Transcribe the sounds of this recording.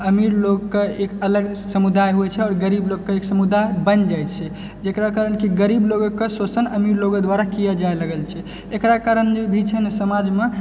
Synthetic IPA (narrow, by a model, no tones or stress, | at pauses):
əmiɾloɡkeekələɡsəmud̪ajɦuɛt͡ʃʰɛɔːɾɡəɾibloɡkːeeksəmud̪ajbənd͡ʒajt̪t͡ʃʰɛ | d͡ʒekɾakaɾənkiɡəɾibloɡkːesosənəmiɾloɡəd̪waɾakijəd͡ʒaeləɡəlt͡ʃʰɛ | ekɾakaɾənd͡ʒebʱit͡ʃʰɛnesəmad͡ʒme